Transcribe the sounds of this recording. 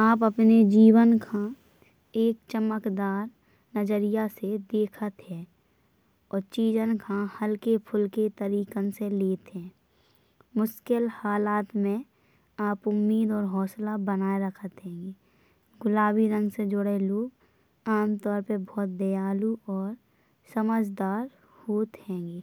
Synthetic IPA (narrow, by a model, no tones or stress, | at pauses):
aːp̬əpned͡ʒiːwənkʰã | eːk̚t͡ʃəməkd̪aːɾ | nəd͡ʒəɾɪjased̪eːkʰət̪ɦɛ̃ː | ɔːɾt͡ʃiːd͡ʒənkʰãhəlkepʰʊlket̪əɾiːkənseleːt̪ɦɛ̃ː | mʊʃkɪlhaːlaːt̪mẽ | aːpʊmːiːd̪ɔːɾɦɔːslabənaːeɾəkʰət̪ɦɛ̃ːŋɡeː | ɡʊlaːbiɾə̃ŋɡsed͡ʒʊɽeloːɡ | aːmt̪ɔːɾpəɾbɔːt̪̚d̪ejaːluʔɔːɾ | səməd͡ʒd̪aːɾ | hoːt̪hɛ̃̆ːɡeː